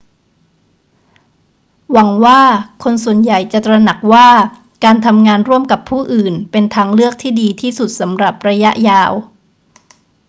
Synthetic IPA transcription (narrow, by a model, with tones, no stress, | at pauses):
wa˩˦ŋwaː˥˩kʰo˧nsu˨˩ənja˨˩jt͡ɕa˨˩t̪ɾa˧na˨˩k̚waː˥˩ | kaː˧nt̪ʰa˧mŋaː˧nɾu˥˩əmka˨˩pʰːuː˥˩ʔɯː˨˩npe˧nt̪ʰaː˦˧˥ŋlɯ˥˩ək̚t̪ʰiː˥˩diː˧t̪ʰiː˥˩su˨˩t̪̚sa˩˦mɾa˨˩p̚ɾa˧ja˦˥ʔjaː˧w